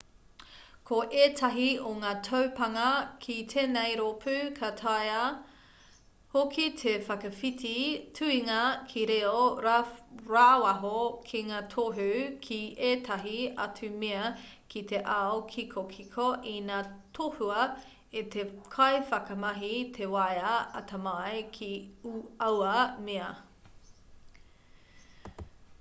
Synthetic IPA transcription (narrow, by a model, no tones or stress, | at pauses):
kʰoʔeːtʰɐɦioŋaːtʰowpɐŋɐkʰitʰeːnejɾopʰʉkʰatʰajɐ | hokʰitʰefɐkɐfitʰitʰʉiŋɐkʰiɾeoɾɾaːwɐɦokʰiŋaːtʰoɦʉkʰiʔeːtʰɐɦiɐ̰tʉmeɐkʰit̪eʔaokʰikʰokʰikʰoʔinaːtʰohuɐ | et̪ekʰɐjfɐkɐmɐɦit̪ʰewɐjɐɐ̰tɐmɐjkʰiuɐwɐmeɐ